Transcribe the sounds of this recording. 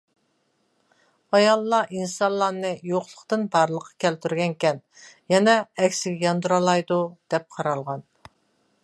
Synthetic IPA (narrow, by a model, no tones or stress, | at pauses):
ɑjɑlˠːɑʔinsɑnlˠɑːnɨjoqlˠəqt̪ɨnbɑɾlˠəqʰːɑ̥kʲʰɛlt̪ʰyɾɡʲɛŋkʲɛn | jɛnɛːkʲsɪɡʲɛjɑnd̪uɾɑlˠɑjd̪ud̪̥ɛp̚qʰɑɾɑlˠʁɑn